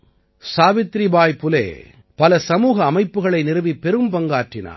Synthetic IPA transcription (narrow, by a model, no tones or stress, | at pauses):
saːʋɪt̪ɾibaːjpʊlḛː | pɐlɐsɐmuːɣɐːmɐɪpːɯɣɐɭɐɪnɪɾɯʋipːɛɾɯmpɐŋɡaːʈrɪna̰ː